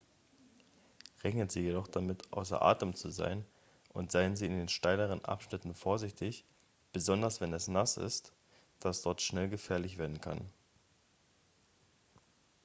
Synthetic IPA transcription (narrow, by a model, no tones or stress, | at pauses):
ʁɛçnənziːjedɔχd̥amɪtʰʔa̰ʊsɐ̰ʔa̰ːtəmt͡suza̰ɪn | ʔʊntz̥aɪənziːɪndeːnʃtaɪləʁ̞ənʔa̰pʃnɪtn̩foːɐzɪçtʰɪç | b̥əzɔndɐsv̥ɛnɛsnasɪ̰st | d̥asd̥ɔɐtʃnɛlɡəfɛːɐlɪçv̥eːɐdn̩kʰa̰n